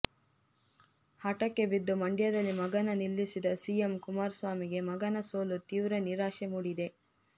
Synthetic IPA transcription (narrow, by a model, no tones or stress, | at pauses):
hɐʈɐkːe̞bid̪ːumɐɳɖjɐd̪ɐlːimɐɡɐnɐnilːisid̪ɐsiːjemkumaːɾsʋaːmiɡe̞mɐɡɐnɐso̞ːlut̪iːʋɾɐniɾaːʂemuːɽid̪e̞